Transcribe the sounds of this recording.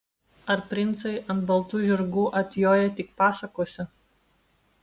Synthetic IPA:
ɐɾpʲɾʲɪnˑt̪sɐɪʔɐnt̪bɐlˠt̪uːʒʲɪɾɡuːʔɐt̪ʲjoːjɛt̪ʲɪkpɑːsɐkoːsʲɪ

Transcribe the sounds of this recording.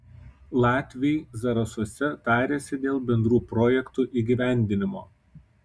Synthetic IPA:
lˠɑːt̪ʲʋʲɛɪzɐɾɐsuɔsʲɛt̪ɑːɾʲeːsʲɪd̪ʲeːlˠbʲɛnd̪ɾuːpɾɔːjɛkt̪uːʔiɡʲiʋʲæˑnʲd̪ʲɪnʲɪmo̰ː

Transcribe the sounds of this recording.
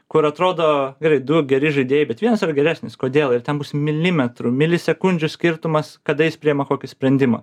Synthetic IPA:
kʊɾɐt̪ɾoːd̪oːɡʲɛɾɐɪd̪ʊɡʲɛɾʲɪʒɐɪd̪ʲeɛjɪbʲɛt̪ʋʲiɛnɐsiɾɐɡʲɛɾʲæːsʲnʲɪskoːd̪ʲeːlˠɪrt̪ʲɛnbʊsmʲɪlʲɪmʲɛt̪ɾʊmʲɪlʲɪsʲɛkʊnʲd͡ʒʲʊsʲkʲɪɾt̪ʊmɐskɐd̪ɐjɪspʲɾʲiɪɛmɐkoːkʲɪsʲpʲɾʲɛnʲd̪ʲɪmɐ̰ː

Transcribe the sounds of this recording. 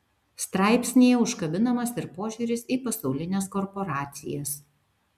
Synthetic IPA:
st̪ɾɑˑɪpʲsʲnʲejɛʊʃkɐbʲɪnɐmɐsɪɾpoːʒʲʊːɾʲɪsiːˑpɐsɐʊlʲɪnʲeːskɔɾpɔɾɑːt̪sʲɪ̰jɛs

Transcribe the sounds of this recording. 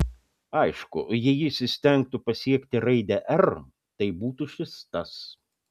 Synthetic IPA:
ɐɪʃkʊ̰jɛjɪʃsʲɪsʲt̪ʲɛŋk̚t̪ʊpɐsʲiɛkʲt̪ʲɪɾɐɪd̪ʲɛʔɛɾ | t̪ɐɪbuːt̪ʊʃʲɪst̪ɐs

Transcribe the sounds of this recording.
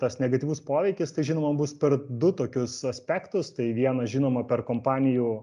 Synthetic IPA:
t̪ɐsnʲɛɡɐt̪ʲiːʋʊspoːʋʲɛɪkʲɪst̪ɐɪʒʲiːnoːmɐbʊspʲɛrd̪ʊt̪oːkʲʊsɐsʲpʲæːkt̪ʊst̪ɐɪʋʲiɛnɐʒʲiːnoːmɐpʲɛrkoːmpɑːnʲɪjuː

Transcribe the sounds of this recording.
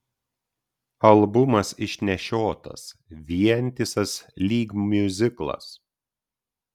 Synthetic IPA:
ɐlˠbʊmɐsɪʃʲnʲɛʃʲoːt̪ɐ̰sʋʲiɛnʲt̪ʲɪsɐslʲiːɡmmʲʊzʲɪklˠɐ̰s

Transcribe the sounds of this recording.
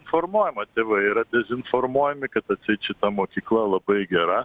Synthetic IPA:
ɪnfoɾmoɔjɪmɐt̪ʲeːʋɐiɾɐd̪ʲɛzʲɪnfoɾmuɔjɪmʲɪkɐt̪ɐt̪sʲɛt͡ʃɪt̪ɐmoːkʲiːklˠɐlˠɐbɐjɡʲɛɾɐ

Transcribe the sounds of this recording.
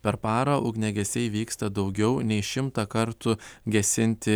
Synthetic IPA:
pʲɛɾpɑːɾɐʔʊɡnʲɛɡʲɛsʲɛɪʋʲiːkst̪ɐd̪ɒʊɡʲɛʊnʲɛɪʃʲɪmt̪ɐkɐɾt̪ʊɡʲɛsʲɪnʲt̪ʲɪ

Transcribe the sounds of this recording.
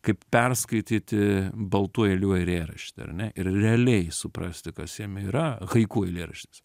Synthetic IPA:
kɐɪppʲɛrskɐɪt̪ʲiːt̪ʲɪbɐlˠt̪uɔjɛlʲuɔjɪɾeːɾɐʃʲt̪ʲɪɐ̰rnʲɛʔɪrrʲɛɐlʲɛɪsʊpɾɐsʲt̪ʲɪkɐsjiɛmiːɾɐɣɐɪkuːɛlʲeːɾɐʃʲt̪ʲɪs

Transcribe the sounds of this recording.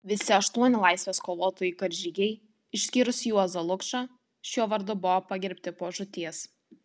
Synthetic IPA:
ʋʲɪsʲɪɐʃt̪uɔnʲɪlˠɑˑɪsʲʋʲeːskoːʋoːt̪oːjɪːkɐɾʲʒʲɪɡʲɛɪ | ɪʃʲsʲkʲiːɾʊsjuɔzɐlˠʊkʃɑː | ʃʲuːʋɐɾd̪ʊbʊʋopɐɡʲɪɾʲpʲt̪ʲɪpoːʒʊt̪ʲiɛs

